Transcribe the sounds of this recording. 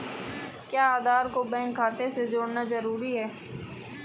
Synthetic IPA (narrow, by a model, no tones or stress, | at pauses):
kjaːaːd̪aːɾkobɛ̃ːŋkʰːaːt̪esed͡ʒoːɽnazɐɾuːɾiɦɛː